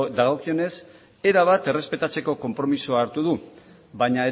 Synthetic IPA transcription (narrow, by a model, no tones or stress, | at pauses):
d̪aɣokio̞ne̞s | e̞ɾaβ̞at̪e̞re̞spe̞t̪at͡se̞ko̞ko̞mpɾo̞misuaːɾt̪uðu | βaɲae